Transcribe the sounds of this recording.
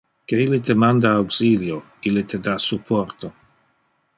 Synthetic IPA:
keilit̪emand̪aawksiljo | ilet̪ʰed̪asupʰɔrt̪o

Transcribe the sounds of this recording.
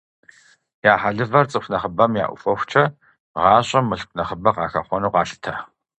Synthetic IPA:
jaːħaɮɨvɐrt͡sʼɨxʷnɐχəbɐmja̰ːʔʷʊ̰fɔxʷt͡ʃʰɐ | ʁɑːɕʼɐmːɨɬk̚ʷʰʼnɐχəbɐqɑːxɐ̰χʷɔnuːqɑːɬɨ̥tʰɐ

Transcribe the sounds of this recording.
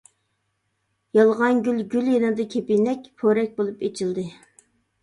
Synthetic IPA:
jɑlˠʁɑnɡʲylɡʲyljenɨd̪ɨkʲʰepinɛk̚ʲpʰoɾɛk̚ʲbolˠupet͡ʃʰilˠd̪ɨ

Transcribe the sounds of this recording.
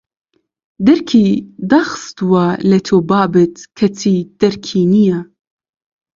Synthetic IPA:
d̪ɛɾkʰid̪aːxɨ̥st̪uwalɛt̪ʰoːbɑːbɨt̪kʰɛt̪ʰiːd̪̥ɛɾkʰiːnijɛ

